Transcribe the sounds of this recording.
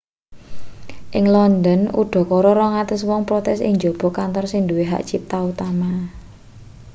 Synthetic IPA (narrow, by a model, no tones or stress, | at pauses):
ʔɪŋlɔnd̪ənṵɖ̥ɔ̤kɔɾɔɾɔŋat̪əswɔŋpɾɔt̪ɛsɪ̰ŋd͡ʒob̥ɔ̤kant̪ɔrsind̪uweɦa̰ʔd̥ʒ̥ip̚t̪aut̪ama